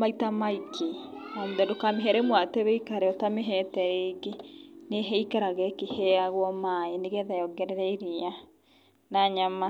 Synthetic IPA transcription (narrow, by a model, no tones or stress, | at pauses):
maitamaikʰeɔːnðɛdokameɦɛɾɛmwatɛβɛikaɾɛɔtameɦɛtɛɾeɡeneɦɛikaɾaɣɛkehɛaɣwɔmaeneɣɛðajɔɡɛɾɛɾɛiɾia | naɲama